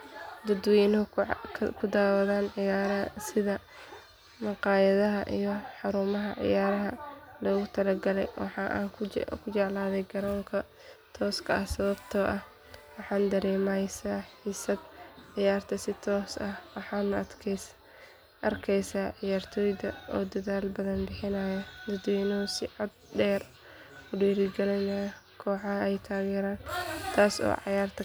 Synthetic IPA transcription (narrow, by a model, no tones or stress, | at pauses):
d̪ɐd̪wɛnʰ | kʰʊd̪aːwɐðaːnʕɪjaːɾɐsɪðɐ | mɑqɑːjɐðɐɦɐʔijɞħɑɾuːmɐɦɐʕɪ̰jaːɾɐɦɐlɔːɣʊt̪ʰɐlɐɡɐlɛjwɑ̰ħɑːʔkʰʊt͡ʃɛʕlaːðɛjɡɐɾɔːŋkʰɐ | t̪ʰɔːskʰɐɐhsɐβɐbt̪ʰɔːʔɐh | wɑħɑːnd̪ɐɾɛːmɛjsaːħiːsɐd̪ʕɪjaːrt̪ʰɐsɪt̪ʰɔːsɐhwɑħɑːnʊɐd̪kʰɛ | ʔɐrkʰɛjsaːʕɪjaːrt̪ʰɔːjðɐʔɔ̰ːd̪ɐðaːlbɐðɐnbɪħɪnaːjɐd̪ɐd̪wɛjnɔːsɪʕɔd̪̚ɖɛːr | ʊɖiːɾɪɡɛlɛjnaːj | kʰɔːħɑɦɐɛjt̪ʰaːɣɛːɾaːnt̪ʰaːsɔ̰ːʕɑjaːrt̪ʰɐ